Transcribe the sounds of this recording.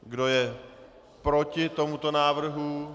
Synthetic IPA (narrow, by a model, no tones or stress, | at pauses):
ɡdo̞jɛ | pɾo̞cɪt̪o̞mut̪o̞naːvr̩ɦu